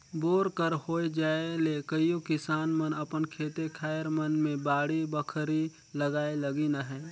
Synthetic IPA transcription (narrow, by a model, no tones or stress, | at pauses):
boːɾkəɾhoːed͡ʒaːelekəiokɪsaːnmənəpənkʰeːt̪ekʰaːjəɾmənmẽbaːɽibəkʰɾi | ləɡaːelɐɡinaɦɛ̃ː